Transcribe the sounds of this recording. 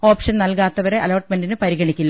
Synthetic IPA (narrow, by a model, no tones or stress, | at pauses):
o̞ːpʂɐnnɐlkaːt̪ːɐʋɐɾe̞ʔɐloːʈmendinɨpɐɾiɣɐɳikʲːulːɐ